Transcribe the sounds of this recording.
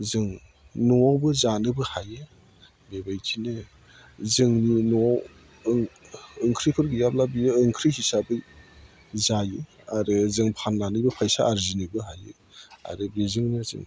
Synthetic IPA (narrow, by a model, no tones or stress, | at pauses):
zɯŋ | nuwawbɯzanɯbɯhajɯ | bebajkʰinɯ | zɯŋninuaw | ŋɯŋkʰɾipʰɯɾɡɯjap̚labiɯːŋkʰɾihisabɯ | zajɯ | aɾɯzɯŋpʰanlanɯbɯpʰajsaːɾzinɯbɯɦajɯ | a̰ɾɯbezɯŋnɯzɯ̰ŋ